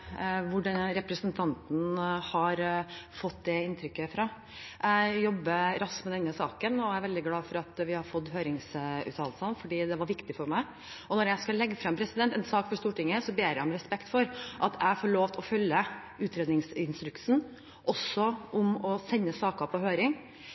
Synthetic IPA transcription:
ʋʊɖɑnɾɛpɾəsənt̪ʰɑnt̪n̩hɑɾfɔt̪ːd̪ɛɪnt̪ʰɾʏkːəfɾɑː | æjɔbːəɾɑskmɛd̪ɛnːəsɑːkənɔæɪʋɛld̪ɪɡlɑːfɔɾɑt̪ʋɪhɑɾfɔd̪ːɦøːɾɪŋsʉ̰ːt̪ʰɑːllsɑnfɔɖiːd̪ɛʋɑɾʋɪkt̪ɪfɔɾmæɪ | ɔnɔɾjæɪskɑlɛɡːəfɾɑmpʰɾɛsɪd̪ɛnt̪ɛnsɑːkfɔʂt̪uːʈɪŋːəsɔbeːɾæmɾɛspɛkt̪fɔɾʔɑt̪ʰæɪfɔɭoːʋt̪ʰɔfœlːə | ʉːt̪ɾeːd̪nɪŋsɪnst̪ɾʉksn̩ | ʔɔsɔʔʊmɔsɛnːəsɑːkɑpʰɔɦøːɾɪŋ

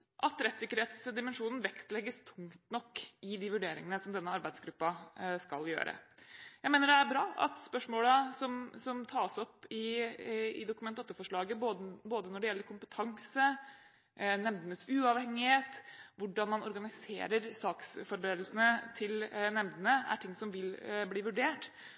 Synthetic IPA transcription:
ʔɑt̪ɾɛt̪sɪkːəɾheːt̪sd̪ɪmənʂuːnn̩ʋɛkt̪lɛɡːəst̪ʰʊŋt̪nɔkːɪd̪ɪʋʉɖeːɾɪ̰ŋənəsɔmd̪ɛnːəɑɾbæɪd̪sɡɾʉpːɑskɑ̰ljø̰ːɾə̰jæɪmeːnəɖɛæɾbɾɑːʔɑ̰t̪spœʂmoːləsɔmsɔmt̪ʰɑːsɔpːɪ | ɪd̪ʊkʉmɛnt̪ɔt̪ːəfɔʂɭɑːɡəboboːd̪ənɔɖɛjɛlːəɾkʰʊmpət̪ʰɑŋsə | nɛmd̪ənəsʉːɑʋhɛŋːɪheːt̪ʋʊɖɑnmɑnɔɾɡɑnɪsḛːɾəɾsɑːksfɔɾbəɾeːd̪l̩sənət̪ʰɪlnɛmd̪ənəæ̰ʈʰɪŋːsɔmʋɪlbliːʋʉɖeːʈ

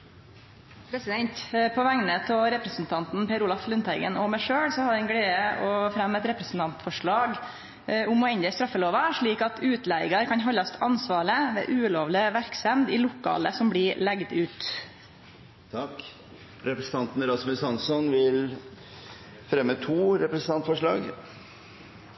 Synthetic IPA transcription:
pʰɾɛsɪd̪ɛnt̪pʰɔʋæŋnət̪ʰɔɾɛpɾəsn̩t̪ʰɑnt̪n̩pʰeːɾuːlɑflʉnt̪ʰæɪɡə̰nɔmæɪʂøːɽsɔhɑɾɛnɡɽeːəʔɔfɾɛmɛt̪ɾɛpɾɛsn̩t̪ʰɑnt̪fɔʂɭɑːɡ | ʊmɔɛnd̪əst̪ɾɑfːəloːʋɑʂɭiːkɑt̪ʰʉːt̪læɪɡɑɾkʰɑnɦɔlːɑst̪ʰɑnsʋɑːɭəʋḛːʔʉːloːʋlɪʋæɾksɛmd̪ɪlʊkːɑ̰ːləsɔmbɽɪlɛɡd̪ʉːt̪ | t̪ʰɑk | ɾɛpɾəsn̩t̪ʰɑnt̪n̩ɾɑsmʉsɑnsɔnʋɪl | fɾɛmːət̪ʰuːɾɛpɾəsn̩t̪ɑnt̪fɔʂɭɑːɡ

